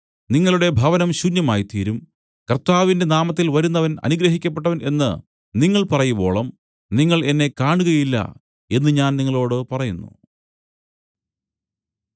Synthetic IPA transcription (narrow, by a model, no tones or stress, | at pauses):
niŋːɐɭuɽe̞bʱɐʋɐnɐmɕunjɐmaːjit̪iːɾum | kɐrt̪aːʋinde̞naːmɐt̪̬ːilʋɐɾunːɐʋɐnɐ̰nuɡɾɐɦikʲːɐp̬ːe̞ʈːɐʋɐne̞nːɨ̰ | niŋːɐɭpɐrɐjubo̞ːɭɐm | niŋːɐɭe̞nːe̞kaːɳuɣɐjilːɐ̰ | e̞nːɨɲaːnniŋːɐɭo̞ːɽɨpɐrɐjunːṵ